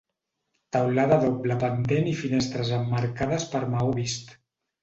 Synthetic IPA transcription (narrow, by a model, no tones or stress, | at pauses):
t̪əwlaðəðobləpənt̪enifinest̪ɾəzəmːaɾkaðəspəɾmawβist̪